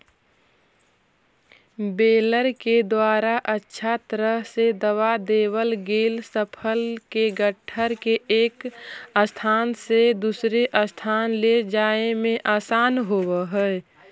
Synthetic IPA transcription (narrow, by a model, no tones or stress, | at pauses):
beːləɾked̪waːɾaʔətːʃʰat̪əɾəɦsed̪əwad̪eːwəlɡeːlsəpʰəlkeɡəʈʰːəɾkeʔeːkəst̪ʰaːnsed̪usɾeʔəst̪ʰaːnled͡ʒaːemẽʔaːsaːnɦowəɦəɛ